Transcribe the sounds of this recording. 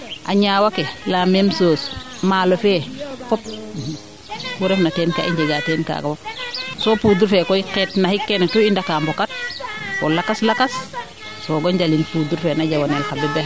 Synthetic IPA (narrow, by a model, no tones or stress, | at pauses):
ʔaɲaːwakelamemsoːs | malofefɔp̚ | wuɾɛfnatɛnka̰ʔiɲɟeɡateːnka̰ːɡafosopuːduɾfekɔiketnahikːentuindakaːmbokat̚kolakaslakas | soɡoɲɟalinpuːduɾfenaɟawonelkabɛbɛ